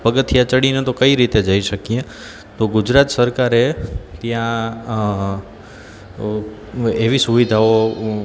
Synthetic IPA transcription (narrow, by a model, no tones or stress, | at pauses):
pəɡət̪jat͡ʃəɽinet̪okəiɾit̪ed͡ʒəiʃəkije | t̪oɡʊd͡ʒɾat̪səɾkaɾet̪jã | eʋisuʋid̪ʱao